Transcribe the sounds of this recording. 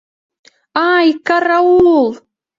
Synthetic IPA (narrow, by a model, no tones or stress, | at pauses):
aːjkaraulˠ